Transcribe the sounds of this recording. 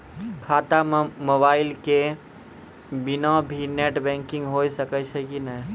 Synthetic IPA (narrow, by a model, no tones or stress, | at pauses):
kʰaːt̪amobaːɪlke | binɔbʱineʈbɛ̃ŋkĩŋɡɦojsəkət͡ʃʰɛkinəj